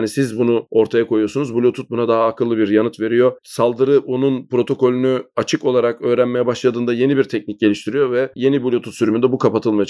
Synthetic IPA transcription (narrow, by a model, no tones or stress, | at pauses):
nisizbunuo̞ɾt̪ʰajakʰo̞jujosunuzbulʲot̪ʰut̪̚bunad̪aɦaːkʰɯlˠːɯbiɾjanɯt̪ve̞ɾijo̞salˠd̪ɯɾɯonunpɾo̞t̪ʰo̞ko̞lʲynyat͡ʃʰɯko̞lˠaɾakø̞ːɾænme̞jɛbaʃlˠad̪ɯːnd̪aje̞nibiɾt̪ʰɛcnic̚ɟe̞lʲiʃt̪ʰiɾijo̞vɛje̞nibulʲot̪ʰut̪syɾymynd̪ɛbukʰapat̪ʰɯlˠmaja